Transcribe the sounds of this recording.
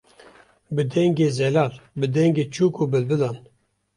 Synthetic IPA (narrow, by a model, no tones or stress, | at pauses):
bɨd̪ɛŋɡeːzɛlɑːlbɨd̪ɛŋɡeːt͡ʃʰuːkʰuːbɨlbɨlɑːn